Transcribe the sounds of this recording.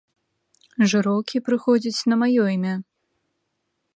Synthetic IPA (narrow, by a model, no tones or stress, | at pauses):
ʐɨɾɔwkʲʰipɾɨxɔd͡zʲit͡sʲnɐmajɔimʲa